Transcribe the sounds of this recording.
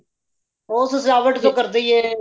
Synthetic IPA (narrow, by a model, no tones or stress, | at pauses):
oːsslaːʋəʈd͡ʒ̪õːkəɾd̪iːɛː